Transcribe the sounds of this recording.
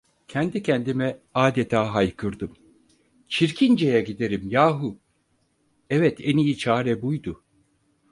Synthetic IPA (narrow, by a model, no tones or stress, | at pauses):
cʰɛnd̪icʰɛnd̪imɛaːd̪et̪ʰaːɦajkʰɯɾd̪ɯm | t͡ʃʰiɾcʰind͡ʒejɛɟid̪e̞ɾimjaːɦu | ɛvɛt̪ʰɛnijit͡ʃʰaːɾɛbujd̪ʊ